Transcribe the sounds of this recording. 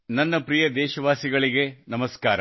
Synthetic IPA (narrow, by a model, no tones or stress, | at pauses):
nɐnːɐpɾijɐd̪ɛːʃɐʋaːsiɡɐɭiɡe̞nɐmɐskaːɾɐ̰